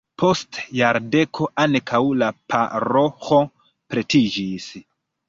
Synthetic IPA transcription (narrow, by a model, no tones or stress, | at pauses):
pʰo̞stjaɾde̞kʰo̞ʔankʰawlapʰa̰ɾo̞xo̞ | pɾetid͡ʒis